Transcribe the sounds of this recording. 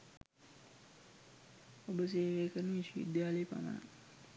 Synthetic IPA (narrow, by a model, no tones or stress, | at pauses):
obəs̬eːʋeːkəɾnəisiḭd̪jaːləjəpa̰mə̰na̰